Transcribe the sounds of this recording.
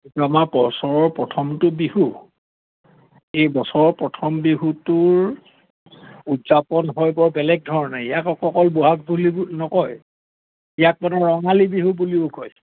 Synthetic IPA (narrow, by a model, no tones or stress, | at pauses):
kituamapɔsɔɹɔɹpɹɔtʰɔmtʊbihu | ejbɔsɔɹɔɹpɹɔtʰɔmbiɦutʊɹ | udzapɔnɦojbɔɹbɛlɛɡ̚dʱɔɹɔnaijakɔɔkɔlboɦak̚bulinɔkɔj | ijak̚manɔɹɔŋalibiɦubuliʊkʰɔj